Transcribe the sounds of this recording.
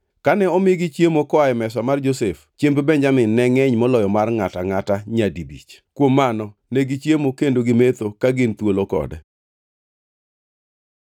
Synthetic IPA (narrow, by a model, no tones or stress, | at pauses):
kanɛɔmɪɡit͡ʃjemokɔaɛmɛsamard͡ʒoseft͡ʃempebɛɲd͡ʒamɪnːɛŋɛɲmɔlɔjɔmarŋataŋataɲadibḭt͡ʃkwomːanɔneɡit͡ʃjemokendoɡɪmet̪okaɡɪnt̪wolokɔ̰dɛ